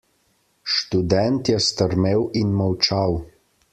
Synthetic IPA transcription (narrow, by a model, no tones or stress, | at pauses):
ʃt̪ud̪ɛnt̪jɛst̪əɾmeːwinmɔwt͡ʃaw